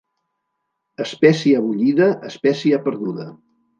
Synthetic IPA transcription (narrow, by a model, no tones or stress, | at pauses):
əspɛsiəəβ̞uʎiðəʔəspɛsiəpəɾðuðə